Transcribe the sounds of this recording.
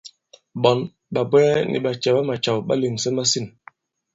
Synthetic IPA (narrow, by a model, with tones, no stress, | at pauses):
ɓɔ˨n | ɓa˨bɛ˦nʔḭ˨ɓa˨t͡ʃɛ˨ɓa˦ma˨t͡ʃa˨wɓa˦li˨m˨sɛ˦ma˦si˦˨n